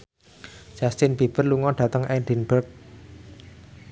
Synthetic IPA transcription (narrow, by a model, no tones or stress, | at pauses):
ʒ̥ast̪ɪnb̥i̤b̥ə̤rluŋɔɖ̥ä̤t̪əŋʔɛɖinb̥ək̚